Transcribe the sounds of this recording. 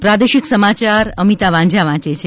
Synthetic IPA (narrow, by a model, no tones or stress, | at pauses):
pɾad̪eʃiksəmat͡ʃaɾəmit̪aʋãɲd͡ʒaʋãt͡ʃet͡ʃʰe